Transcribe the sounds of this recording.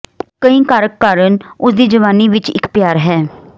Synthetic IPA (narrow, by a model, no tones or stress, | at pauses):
kəĩːkaːɾəkːaːɾənʊsd̪iːd͡ʒəʋaːniːʋɪt͡ʃɪ̰kpjaːɾɦɛː